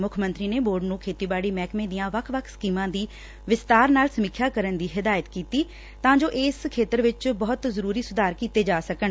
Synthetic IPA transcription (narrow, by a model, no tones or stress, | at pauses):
mʊkʰmə̃nt̪ɾiːneːboːɾɖnũːkʰeːt̪iːbaːɽiːmɛːkmẽːd̪ɪjãːʋəkʰʋəkʰskiːmãːd̪iː | ʋɪst̪aːɾnaːlsəmiːkʰjaːkəɾənd̪iːɦɪd̪aːjət̪kiːt̪iː | t̪ãːd͡ʒoːʔeːskʰeːt̪əɾʋɪt͡ʃbɔːt̪zəɾuːɾiːsʊd̪aːɾkiːt̪eːd͡ʒaːsəkən